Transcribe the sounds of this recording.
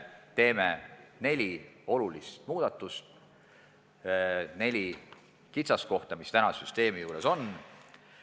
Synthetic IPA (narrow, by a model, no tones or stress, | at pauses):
t̪e̞ːmene̞lʲio̞lulist̪muːd̪̥ɑt̪ːˑust̪̚ | ne̞lʲi | kit̪sɑsko̞ht̪ɑmist̪ænɑsyst̪e̞ːmijuːɾe̞so̞n